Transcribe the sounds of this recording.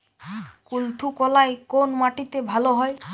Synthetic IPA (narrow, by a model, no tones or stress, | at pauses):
kult̪ʰukɔlaekonmaʈit̪ebʱaloɦɔe